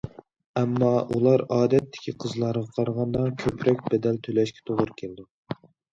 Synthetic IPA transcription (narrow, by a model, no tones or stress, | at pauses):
ɛmːɑʔulˠɑɾɑːd̪ɛt̪ʰːɪ̥kʲʰiqʰəzlˠɑɾʁɑqʰɑɾʁɑnd̪ɑkʲʰøpʰɾɛk̚ʲbɛd̪ɛlt̪ʰølɛʃkʲʰɛ̥t̪ʰoʁʊɾkʲʰeld̪u